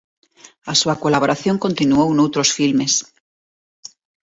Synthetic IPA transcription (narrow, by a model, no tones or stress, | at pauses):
asuakolaβo̞ɾʔaθjo̞ŋko̞nt̪inuownowt̪ɾo̞sfilme̞s